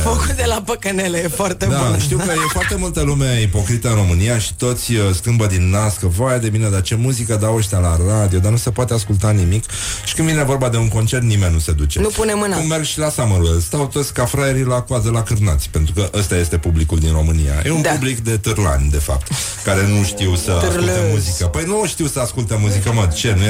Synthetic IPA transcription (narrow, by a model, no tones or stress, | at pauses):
fəkut̪̚d̪elapəkənelejefoart̪ed̪aʃt̪iwkəjefoart̪e̞mult̪əlumeipo̞kɾit̪əɨnro̞mɨnijaʃi̥t̪o̞t̪sʲəskɨmbəd̪inːaskəvajad̪e̞mined̪at͡ʃe̞muzikəd̪aoʃt̪ʲalarad̪io̞d̪anuse̞poat̪easkult̪animik | ʃi̥kɨnvinevo̞rbad̪e̞uŋko̞nt͡ʃe̞rt̪nime̞nʲːuse̞d̪ut͡ʃe̞nupunemɨnaɨnme̞rɡʃilasaməɾst̪awt̪o̞t̪sʲkafɾajeɾilakazəlakɨrnat̪sʲpe̞nt̪ɾukəʔəst̪aje̞st̪e̞publikuld̪inro̞mɨnija̰jeunpublikd̪e̞t̪ɨrla̰nʲd̪e̞fa̰p̚t̪ | kaɾe̞nuʃt̪iwsəaskut̪emuzikəpəjnuʃt̪iwsəaskult̪emuzikəməd̪t͡ʃe̞nu